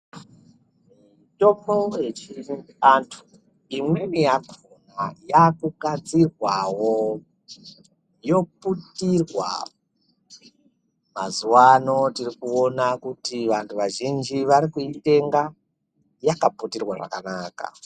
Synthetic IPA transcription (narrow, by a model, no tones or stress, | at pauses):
m | i | tomojet͡ʃi | antʰu̥ | imwenijakʰuna̰jakukad͡zirwawo | jo̞putirwa̰ | mazuwano̞tirikuo̞nakutiʋantʰuʋaʒind͡ʒiʋaɾikuite̞ŋɡa | jakaputirwaʐa̰kanaːka̰